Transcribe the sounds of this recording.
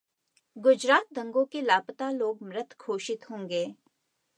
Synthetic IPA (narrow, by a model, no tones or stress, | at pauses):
ɡʊd͡ʒɾaːt̪̚d̪ʱə̃ŋɡõkelaːpt̪aloːɡmɾət̪ʰkʰoːʃɪt̪ɦõːŋɡeː